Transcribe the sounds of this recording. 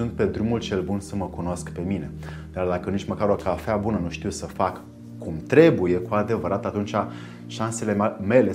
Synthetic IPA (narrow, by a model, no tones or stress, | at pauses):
unt̪̚pe̞d̪ɾumult͡ʃe̞lbunsəməkuno̞skpe̞mine̞ | d̪̥ard̪akənit͡ʃməkaɾokafeabunənuʃt̪iwsəfakː | umt̪ɾe̞buje̞kuad̪e̞vəɾat̪at̪unt͡ʃa | ʃanse̞le̞me̞le̞